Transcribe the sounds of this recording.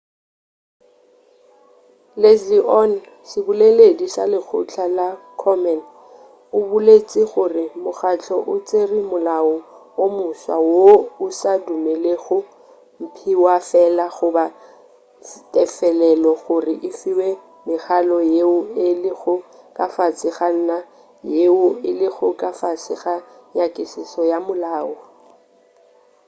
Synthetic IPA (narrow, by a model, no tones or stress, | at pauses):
lesliʔɔn | sɪbʊleledisa̰lɪk͡xʰʊ̰t͡ɬʰalakʰɔmɛn | ʊbʊlet͡sʼiɣʊrɪmʊχat͡ɬʰɔʔʊt͡sʼerimʊlaɔ | omʊswa̰woʊsadumeleɣʊ | m̩pʰiwafɛlaɣʊba | tʼɛfɛlɛlɔɣʊrɪʔɪfiwe | mɪχalɔjeʊɪlɪɣʊkʼafat͡sʼɪɣan̩na | jeʊɪlɪɣʊkʼafat͡sɪɣaɲakʼɪsɪsɔjamʊlaːɔ